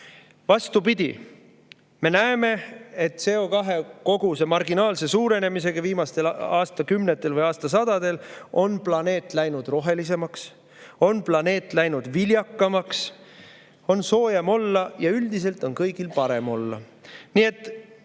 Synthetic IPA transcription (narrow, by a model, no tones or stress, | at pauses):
vɑst̪upid̪̥ʲḭ | me̞næeme̞et̪ːse̞o̞kɑɦe̞ko̞ɡ̥use̞mɑrɡinɑːlse̞suːɾe̞ne̞mise̞ɡ̥ɑviːmɑst̪e̞lɑːst̪ɑkymnet̪ːˑe̞lvɤjɑːst̪ɑs̬ɑd̪̥ɑd̪̥e̞lo̞nplɑne̞ːt̪ːˑlæjnud̪̥ro̞ɦe̞lis̬e̞mɑks | o̞nplɑne̞ːt̪ˑlæjnud̪̥viljɑkːɑmɑks | o̞nso̞ːjɑmo̞lːɑjɑyld̪̥is̬e̞lt̪ˑo̞nkɤjɡ̥ilpɑɾe̞mo̞lːɑ̰ | nie̞t̪ːˑ